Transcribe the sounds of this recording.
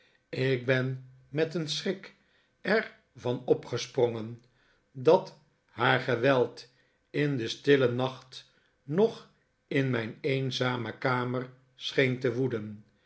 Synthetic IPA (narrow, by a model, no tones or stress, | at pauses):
ɪk̚bɛn | mɛtənsrɪk | ɛɹ | vɑnɔpχəsprɔŋən | dɑt | ɦaːɹχəʋɛlˠt | ɪndəstɪlənɑχt | nɔχ | ɪnmɛjnejnzaːməkaːməɹ | sχejntəʋudən